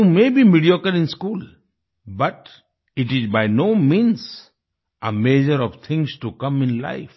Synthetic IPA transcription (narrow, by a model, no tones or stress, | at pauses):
umeːbiːmiɖiokəlɪ̃nskuːl | bʌʈ | ɪʈɪzbaɪnoːmĩns | ʔəmed͡ʒəɾɔʋt̪ʰɪ̃ŋsʈukʌ̃mɪ̃nla̰ɪf